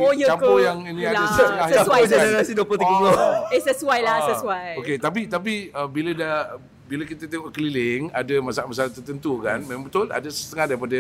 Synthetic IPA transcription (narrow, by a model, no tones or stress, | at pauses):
ojət͡ʃampojaŋinĩadasət̪əŋahjwad͡ʒənəɾasiduopʊlt̪iɡəɡoesəsuajlasəsuwajoket̪ap̬it̪ap̬iəbiləda | bilakit̪ət̪eŋɔʔkəlilɪŋa̰damasaaʔmasalaht̪ərt̪ənt̪ukanmẽmãbət̪ʊla̰dasə̥st̪əŋahdaɾipadə